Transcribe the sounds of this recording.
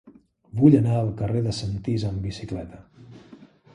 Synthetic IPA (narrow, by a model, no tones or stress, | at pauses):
βuʎənaəlˠkəreðəsənt̪izəmbisiklɛt̪ə